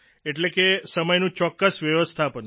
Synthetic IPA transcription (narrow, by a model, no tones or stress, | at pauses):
eʈlekesəməjnũt͡ʃɔkːəsʋjəʋəst̪ʰapən